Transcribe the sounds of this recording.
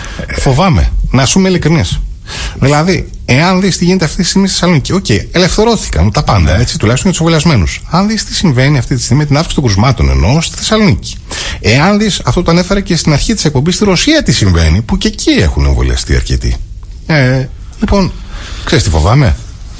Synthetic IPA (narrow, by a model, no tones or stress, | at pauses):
fo̞vɐme̞̰nɐsumeilikɾinis | ðilɐði | e̞ɐnðist̪iʝinet̪eɐft̪it̪ist̪iɣmisθesɐlo̞nicio̞ce̞iele̞fθe̞ɾo̞θi̥kɐ̰not̪ɐpɐnd̪ɐ̰e̞t͡sit̪ulɐçst̪onjɐt̪sevoiɐzme̞nusɐnðist̪i̥siɱve̞niɐft̪it̪ist̪iɣmimet̪inɐfksi̥t̪oɡɾuzmɐt̪o̞̰ne̞̰no̞st̪i̥θe̞sɐlo̞nici̥ | eɐnðisɐft̪o̞t̪oɐne̞fe̞ɾecest̪inɐɾçit̪i̥se̞k̚po̞mbist̪iɾo̞siɐt̪isiɱve̞̰nipuce̞cʰie̞̰xune̞̰ɱvolḭɐ̰st̪ḭɐ̰ɾce̞̰t̪ḭ | e | lipo̞nkse̞ɾist̪ifo̞̰vɐme̞